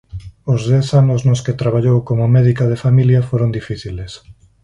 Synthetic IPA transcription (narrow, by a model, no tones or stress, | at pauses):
ʊzðɛθanʊznosket̪ɾaβaʎowkomʊmɛðikaðefamiljɐfoɾond̪ifiθiles